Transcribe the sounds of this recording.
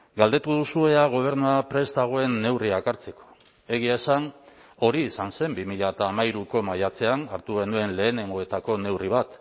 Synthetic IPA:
ɡald̪e̞t̪uð̞usue̞aɣ̞o̞β̞e̞ɾnuapɾe̞st̪aɣ̞o̞e̞nːe̞wriakaɾt͡se̞ko̥ | e̞ɣ̞iaesan | o̞ɾiːsanse̞mbimiʎat̪aːmaiɾuko̞majat͡se̞anaɾt̪uɣe̞nue̞nle̞ːne̞ŋɡo̞e̞t̪ako̞ne̞wriβ̞at̪

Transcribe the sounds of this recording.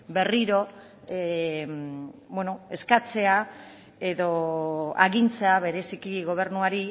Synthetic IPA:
be̞riɾo̞ | bweno̞e̞skat͡se̞a | e̞ðo̞a̰ɣint͡se̞aβe̞ɾe̞sikiɣo̞β̞e̞ɾnuaɾi

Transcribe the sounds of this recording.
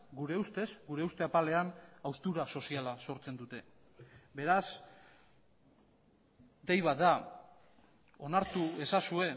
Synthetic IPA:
ɡuɾe̞ust̪e̞sɡuɾe̞ust̪e̞apale̞anawst̪uɾaso̞sialaso̞ɾt͡se̞nd̪ut̪e̞ | be̞ɾas | d̪ejβ̞at̪̚d̪a | o̞naɾt̪ue̞sasue̞

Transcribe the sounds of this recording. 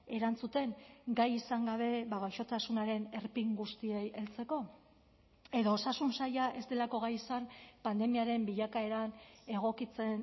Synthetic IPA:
e̞ɾant͡sut̪e̞ŋɡajisaŋɡaβ̞e̞βaβajʃo̞t̪asunaɾe̞ne̞ɾpiŋɡust̪ie̞je̞lt͡se̞ko̞ | e̞ðo̞ːsasunsajaʔe̞st̪e̞lako̞ɣ̞ajisanpand̪e̞miaɾe̞mbiʎakae̞ɾane̞ɣ̞o̞kit͡se̞n

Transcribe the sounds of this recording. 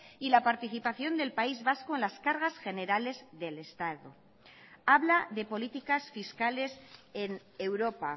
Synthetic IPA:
ilapaɾt̪iθipaθjo̞nd̪e̞lpaizβaskoe̞nlaskaɾɣasxe̞ne̞ɾale̞zðe̞le̞st̪aðo | aβlaðe̞po̞lit̪ikasfiskale̞se̞n | e̞wɾo̞pa

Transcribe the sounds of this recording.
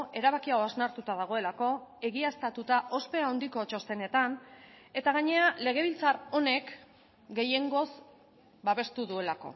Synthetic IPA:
ʔe̞ɾaβakiawaznaɾt̪ut̪að̞aɣ̞o̞e̞lako̞e̞ɣiast̪at̪ut̪aʔo̞spe̞aond̪iko̞t͡ʃo̞st̪e̞ne̞t̪an | e̞t̪aɣ̞aɲe̞ale̞ɣ̞e̞β̞ilt͡saro̞ne̞k | ɡe̞je̞ŋɡo̞z | baβe̞st̪uðue̞lako̞̰

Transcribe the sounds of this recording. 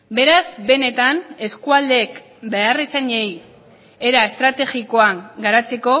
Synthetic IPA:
be̞ɾazbe̞ne̞t̪ane̞skuald̪eːk | bearesaɲejs | eɾaest̪ɾat̪e̞ɣiko̞aŋɡaɾat͡se̞ko̞

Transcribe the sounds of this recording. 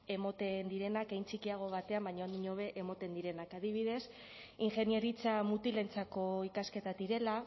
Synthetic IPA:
e̞mo̞t̪e̞nd̪iɾe̞nakejnt͡sikiaɣ̞o̞β̞at̪e̞ambajɲoɲoβ̞e̞ʔemot̪e̞nd̪iɾe̞nakaðiβ̞ið̞e̞s | iŋxe̞nie̞ɾit͡samut̪ile̞nt͡sako̞ikaske̞t̪ad̪iɾe̞la

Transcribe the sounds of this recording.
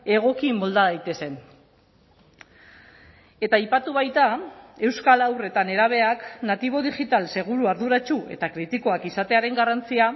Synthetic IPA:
e̞ɣ̞o̞kimo̞ld̪aðajt̪e̞se̞n | e̞t̪aːjpat̪uβ̞ajt̪ae̞wskalawre̞t̪ane̞ɾaβ̞e̞aknat̪iβ̞o̞ðiʝit̪alse̞ɣ̞uɾuaɾðuɾat͡ʃue̞̰t̪akɾit̪iko̞akisat̪e̞aɾe̞ŋɡarant͡sia

